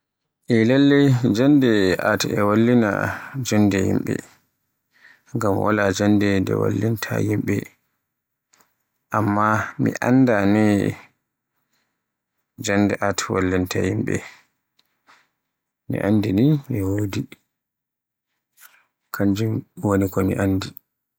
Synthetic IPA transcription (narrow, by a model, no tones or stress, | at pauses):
ʔɛlalːɛd͡ʒandɛʔatɛwalːina̰d͡ʒandɛhimɓɛ̰ | ŋɡamwa̰lad͡ʒandɛdɛ̰wa̰lːintʰa̰jimɓɛ | ʔamːamḭʔandanɛ | d͡ʒandɛʔatwalːintʰahimɓɛ̰ | nḭʔandiniɛwodi | kʰaɲd͡ʒumwonikɔmiʔanːdi